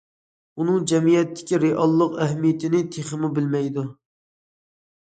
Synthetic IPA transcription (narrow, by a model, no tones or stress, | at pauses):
unɨŋd͡ʒɛmijɛt̪ʰːɪ̥kʲiɾeʔɑlˠːəqæɦmijɪt̪ʰɪnɪt̪ʰeχɨmubɪlmɛjd̪u